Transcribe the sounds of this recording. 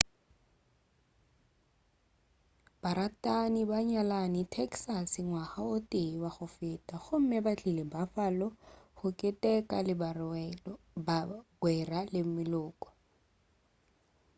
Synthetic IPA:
b̥aɾatʼanibaɲalanɪtʰɛksasɪŋwaχaʊtʼeiwaχʊfɪːtʼaχʊm̩mɪbat͡ɬʼilɪbafalɔχʊkʼɪtʼɛkʼalɪbarɛɔ | baɡwɛralɪmɪlʊːkʼɔ̥

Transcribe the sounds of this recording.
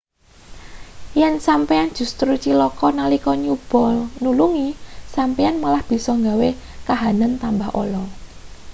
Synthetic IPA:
jɛnsampeand̥ʒ̥ṳst̪ɾut͡ʃilɔkɔnalikɔɲub̥ɔ̤nuluŋisampeanmalahb̥i̤sɔŋɡawekaɦanənt̪ambahʔo̰lɔ

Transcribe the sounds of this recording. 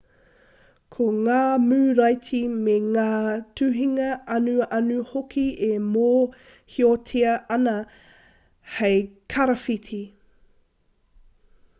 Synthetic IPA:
kʰoŋaːmʉːɾɐjtimeŋaːtʰʉɦiŋɐɐnuɐnuhokʰiemoː | hiotʰeɐʔɐnɐ | hejkʰɐɾɐfitʰi

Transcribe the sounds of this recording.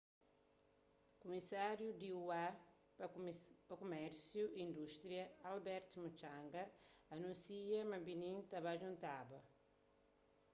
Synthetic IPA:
kumisaɾjud̪iua | pɐkumɛɾsjuĩnd̪uʃt̪ɾiɐalbɛɾt̪mut͡ʃãŋɡɐːnũnsiɐmɐbinĩnt̪ɐβaʒũnt̪abɐ

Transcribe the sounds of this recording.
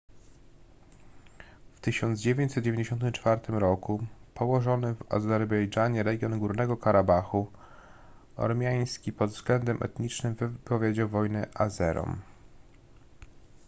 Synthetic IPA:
ft̪ɘɕɔnd̪zd͡ʑevʲjeɲt͡ɕsɛt̪̚d͡ʑevʲeɲd͡ʑeɕɔnt̪ɘmt͡ʂfaɾt̪ɘmɾɔkupʰɔwɔʐɔnɘva̰zɛɾbɛjd͡ʐaɲɛɾɛɡʲjɔnɡuɾnɛɡɔkaɾabaxu | ɔ̰ɾmʲjaj̃skʲipɔd̪vzɡlɛnd̪ɛmʔɛ̰t̪ɲit͡ʂnɘmvɘpɔvʲjed͡ʑawvɔjnɛʔazɛɾɔ̰m

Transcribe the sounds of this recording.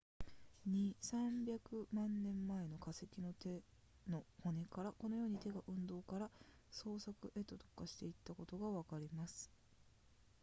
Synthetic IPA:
ɲisãmbʲjakɯ̟mãnːẽ̞mːae̞no̞kase̞kʲino̞t̪e̞ | no̞ho̞ne̞kaɾako̞no̞jo̞ːɲ̟it̪e̞ɡaʔɯ̟̃nd̪o̞ːkaɾaso̞ːsakɯ̟ʔe̞t̪ːo̞t̪o̞̥kaɕi̥t̪e̞it̪ːako̞t̪o̞ɡaβakaɾʲimasɨ̥

